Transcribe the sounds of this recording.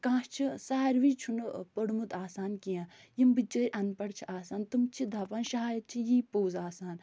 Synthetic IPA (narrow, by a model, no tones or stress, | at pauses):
kãːst͡ʃʰisaːɾʋiːt͡ʃʰunpəɽmut̪aːsaːnkijãːjimbɨd͡ʒəːɾʲʔɐnpɐɽt͡ʃʰiʔaːsaːnt̪umt͡ʃʰid̪aːpaːnʃɐɦaːjɐt̪̚t͡ʃʰijiːpoːzaːsaːn